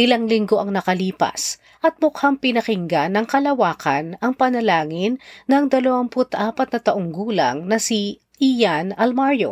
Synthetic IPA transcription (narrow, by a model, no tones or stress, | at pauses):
ʔɪlaŋlɪŋɡo̞ʔɐŋnɐkɐliːpɐ̰s | ʔɐt̪̚mʊkhaŋpɪnɐkɪŋɡanɐŋkɐlɐwaːkʰɐnɐŋpɐnɐlaːŋɪnːɐŋd̪ɐlɐwaŋpʊt̪ʔaːpɐt̪̚nɐt̪ɐʔoŋɡuːlɐ̰ŋnɐsi | ʔijanɐlmaɹjo̰